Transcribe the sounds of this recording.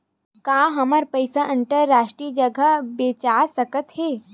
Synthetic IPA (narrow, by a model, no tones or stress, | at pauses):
kãːɦɐməɾpəɪsaʔə̃nʈəɾːaːʃʈɾiːd͡ʒəɡʱəbeːt͡ʃaːsɐkət̪ɦeː